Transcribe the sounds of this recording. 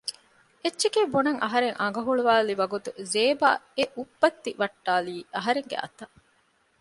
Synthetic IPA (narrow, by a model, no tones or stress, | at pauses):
etːʃekeːbonɐŋʔɐɦɐɾeŋʔɐŋɡɐɦuɭuʋaːliʋɐɡut̪uzeːba̰ːeʔubːɐt̪ːiʋɐʈːaːliːʔɐɦɐɾeŋɡḛʔɐ̰t̪ɐ